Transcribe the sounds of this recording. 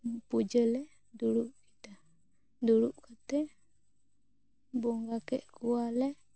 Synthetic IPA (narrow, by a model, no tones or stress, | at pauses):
pud͡ʒəlɛ | duɾuʔki̥t̪a | duɾuʔkat̪ɛ | bɔŋɡakɛʔkualɛ